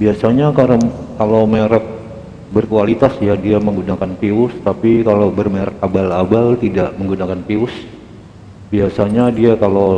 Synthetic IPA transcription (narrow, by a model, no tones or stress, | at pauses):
biasaɲakaɾakalowmeɾɛk̪̚ | bərkualit̪asjadiaməŋɡunakanpiʊst̪apikalobərmeɾɛk̚abalabalt̪idaʔməŋɡunakanpiʊs | biasaɲadiakalo